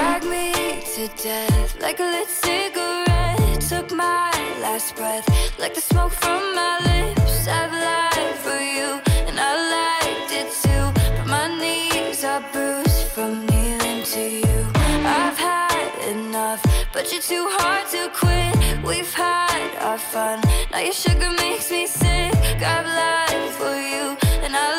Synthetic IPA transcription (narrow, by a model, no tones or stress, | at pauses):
aɡ̚mitʰɨdɛθla̰ɪkəlɪtsɪɡəɹɛttʰʌkmaɪlæsb̥ɹɛθlaɪk̚ðɨsmoʊkfɹʌ̃mːaɪlɪpsaɪvlaɪd̥fə˞jʉɨ̃naɪlaɪk̚dɪtʰʉb̥ʌt̚maɪnizaɪbɹosfɹʌ̃mnilɪ̃ŋtʰɨjʉaɪv̥əɾɪ̰nʌfb̥ʌt͡ʃə˞tʰʉɦɑɹd̚tʰɨkʰw̥ɪtwʔiv̥həɾə̰fʌ̃nnʔa̰ʊjɨʃʊɡə˞meɪksmisɪkaɪvlaɪfə˞juɨ̃naɪ